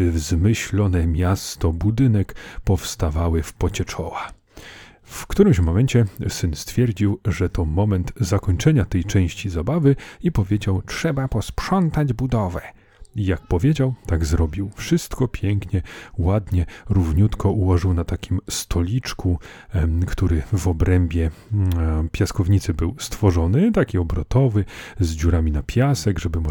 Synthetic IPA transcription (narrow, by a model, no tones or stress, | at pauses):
vzmɘɕlɔnɛmʲjast̪ɔbud̪ɘnɛkpɔfst̪avawɘfpɔt͡ɕɛt͡ʂɔwa | fkt̪uɾɘmɕmɔmɛɲt͡ɕɛsɘnst̪fʲjɛɾd͡ʑiwʐɛt̪ɔmɔmɛnt̪zakɔɲt͡ʂɛɲat̪ɛjt͡ʂɛ̃w̃ɕt͡ɕizabavɘipɔvʲjed͡ʑawt͡ʂʂɛbapɔspʂɔnt̪ad͡ʑbud̪ɔvɛ | ijak̚pɔvʲjed͡ʑawt̪aɡzɾɔbʲiwfʂɘst̪kɔpʲjɛŋkɲɛwad̪ɲɛɾuvɲut̪kɔʔuwɔʐɘwnat̪akʲimst̪ʰɔlʲit͡ʂkʰu | kt̪uɾɘvɔbɾɛmbʲjɛ | pʲjaskɔvɲit̪sɘbɘwst̪fɔʐɔnɘt̪akʲiɔbɾɔt̪ɔvɘzd͡ʑuɾamʲinapʲjasɛɡʐɛbɘm